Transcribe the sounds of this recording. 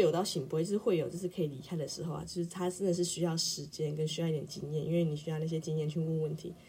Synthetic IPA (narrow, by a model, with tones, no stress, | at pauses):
jo˨˩ʊt̪ɑ˥˩ʊɕi˨˩pʂɻ̩˥xwe˥˩ɪjo˨˩ʊt͡ɕjo˥˧ʂɻ̩˥˩kʰɤ˧˥i˨˩li˧˥kʰa˥ɪd̪ə˨ʂɻ̩˧˥xo˥˩ʊa̰˨˩t͡ɕjo˥˧ʊʂɻ̩˥˩t̪ʰa˥s̩˥nə˨ʂɻ̩˥˩ɕy˥jɑ˥˩ʊʂɻ̩˧˥t͡ɕjɛ˥nkə˥nɕy˥ɑ˥˧ʊi˥˩t̪jɛ˨˩t͡ɕi˥˧ŋjɛ˥˩nʔḭ˥nwe˥˩ɪni˨˩ɕy˥jɑ˥˧na˥˩ɕjɛ˥t͡ɕi˥˧ŋjɛ˥˧˩nt͡ɕʰy˥ŋku˥˧ŋwə˥˩nt̪ʰḭ˧˥